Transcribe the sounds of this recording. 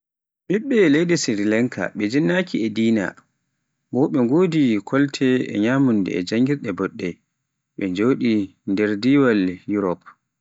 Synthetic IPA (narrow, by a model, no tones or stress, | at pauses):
ɓiɓːɛlejdɛsiɾilɛŋkʰa̰ɓɛd͡ʒinːakiɛdiːna̰ | bɔɓɛŋɡoːdikʰɔltʰɛɛ̰ɲaːmundɛ̰ɛd͡ʒaŋɡiɾɗɛbɔɗːɛ | ɓɛɲd͡ʒoːɗindɛɾdiwaljuɾɔp̚